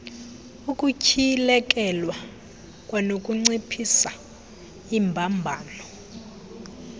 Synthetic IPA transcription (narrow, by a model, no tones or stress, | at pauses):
ukʼucʰilɛk̬ʼɛlwa | kʼwanokʼuŋ͡ǀipʰisa | imbʱambʱaːlɔ